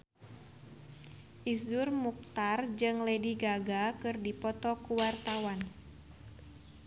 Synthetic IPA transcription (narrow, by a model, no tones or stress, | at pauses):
ʔisʊrmuk̚t̪ard͡ʒɨŋlɛdiɡaɡakɨrdipɔt̪ɔkuwart̪awan